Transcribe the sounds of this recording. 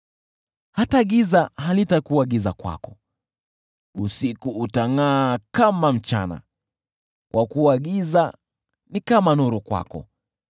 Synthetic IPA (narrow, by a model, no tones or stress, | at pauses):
hataɠizaɦalitakuaɠizakwa̰kɔ̥ | usikuːtaŋakamam̩t͡ʃana̰ | kwʔakuaɠiza | nikamanɔɾɔkwa̰kɔ̰